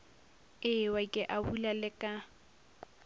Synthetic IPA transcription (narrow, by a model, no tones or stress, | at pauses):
ɪwaikʼɪʔabulalɪkʼa